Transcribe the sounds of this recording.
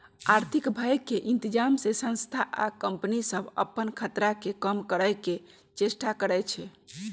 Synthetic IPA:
aɾt̪ʰikbʱajkːeʔint̪id͡ʒamsesə̃ñst̪ʰaʔa̰kəmpənisəbʱə̰pːənkʰət̪ɾakekəmkəɾəke | t͡ʃesʈakəɾɛt͡ʃʰɛ

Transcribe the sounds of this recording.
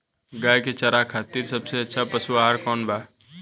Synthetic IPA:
ɡaːjket͡ʃəɾakʰaːt̪iːɾsəbseɐtːʃʰapəsuaːɦəɾkɔːnbaː

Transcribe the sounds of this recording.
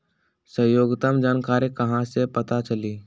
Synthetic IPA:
səjoːɡt̪əmd͡ʒaːnkaːɾekɐɦãsepɐt̪at͡ʃəliː

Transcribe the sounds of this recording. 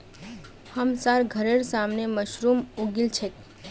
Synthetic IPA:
həmsaɾɡʱəɾeɾsamneməʃɾumuɡilt͡ʃʰek

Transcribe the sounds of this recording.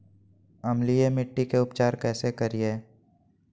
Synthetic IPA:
ɐmlijemɪʈːikeʊpt͡ʃaːɾkɛːsekɐɾie

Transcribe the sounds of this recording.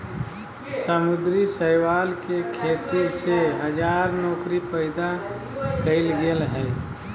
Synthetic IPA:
səmʊd̪ɾisəɪwaːlkekʰeːt̪iseɦəd͡ʒaːɾnɔːkɾipəɪd̪a | kəɪlɡelɦɛː

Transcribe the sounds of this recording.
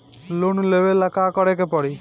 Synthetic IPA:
lonlebelakakɔɽekepɔɽi

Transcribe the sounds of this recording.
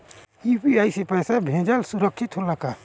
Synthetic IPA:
ipiajsipəjsabʱẽd͡ʒalsuɾəkʰːit̪ɦolaka

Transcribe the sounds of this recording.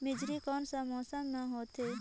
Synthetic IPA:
mɪd͡ʒɾikɔːnsamɔːsamnaɦoːt̪ɦeː

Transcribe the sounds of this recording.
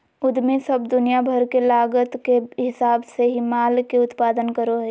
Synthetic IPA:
ʊd̪mẽsəbd̪ʊnijabʱəɾkelaːɡət̪keɦɪsaːbseɦimaːlkeʊt̪paːd̪ənkəɾoɦɛ

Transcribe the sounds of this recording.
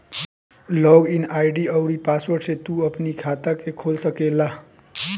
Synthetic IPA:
lɔɡinajɖiəʊɾipaswəɾʈset̪uəpnikʰat̪akekʰolsəkela

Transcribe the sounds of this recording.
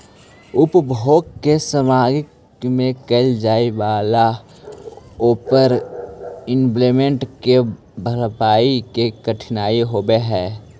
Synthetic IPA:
ʊpbʱoːɡkesəmaːɡɪk | mẽkəɪld͡ʒaːieʋaːla | oːpəɾ | ɪmplemẽɳʈke | bʱəɾpaːikekəʈʰnaːiɦoːbeɦɛː

